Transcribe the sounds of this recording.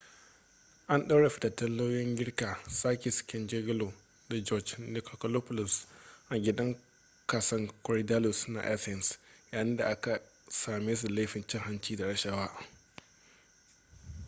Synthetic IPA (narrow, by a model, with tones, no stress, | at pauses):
ʔa˦nɗa˦ɽe˨ɸɪ˦da˨tɐ˦lːo˦jɪ˦ŋɡʲɪ˦ɽkaː˨saː˦kʲe˨sɪ̥˨kʲɪ˦nd͡ʒe˦ɡɪ˦lo˨ | da˨d͡ʒɔ˦d͡ʒdɪ˨kɔ˨kɐ˨lo˦pʊ˦lʊ˨sʔa˨ɡʲɪ˦dɐ˦ŋ | kaː˨sɐ˦ŋkʊ˨ɾi˦da˦lʊ˨sna̰˨ʔa̰˦sɛ˨nsjaː˨jɪ˦nda˨ʔa˦ka˨ | saː˨meː˦s̬u˨la˦jɸɪ˨nt͡ʃɪ˦ŋɦa˦nt͡ʃiː˦da˨ɽɐ˦ʃɐ˦waː˦